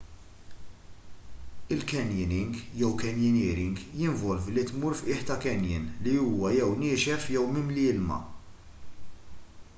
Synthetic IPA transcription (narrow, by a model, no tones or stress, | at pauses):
ɪlkɛnjɪnɪŋɡjɛwkɛnjɪnɪːɾɪŋɡjɪɱvɔlvlit̪muːɾfʔɪːħt̪ɐkɛnjɪ̰nliuːwɐjɛwnɪːʃɛfjɛwmɪmlɪːlmɐ̰